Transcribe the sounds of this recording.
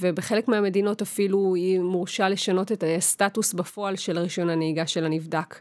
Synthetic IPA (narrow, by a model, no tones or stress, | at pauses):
vebeχe̞lekmeame̞dino̞tafiluimuʁʃale̞ʃano̞tetastatusbafo̞alʃelaʁiʃo̞naneiɡaʃe̞lanivdak